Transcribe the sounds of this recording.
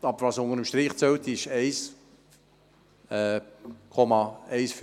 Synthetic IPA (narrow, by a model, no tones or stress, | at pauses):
ɑbəvɑːsʊŋəɾəmʃtɾiːχt͡sølt̪ɪʃɛɪs | ɛkʰɔmɑɛɪsf